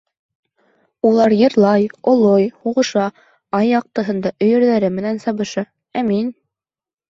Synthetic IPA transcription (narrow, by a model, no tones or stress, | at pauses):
ulˠɑɾjɤ̆ɾlˠɑjŏlˠojhuʁɤ̆ʃɑ | ɑjːɑq̚t̪ɤ̆ɦɤ̆nd̪ɑʔɵ̆jɵ̆ɾðæɾɘmɘ̆nænsɑβɤ̆ʃɑ | æmin